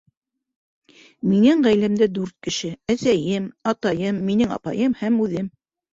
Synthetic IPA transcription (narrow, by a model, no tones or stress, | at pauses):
minɘŋʁæjlæmd̪ɘd̪ʉɾt̪̚kɘ̆ʃɘæsæjɘmɑt̪ɑjɤmːinɘŋɑ̰pɑjɤmhæmʉðɘm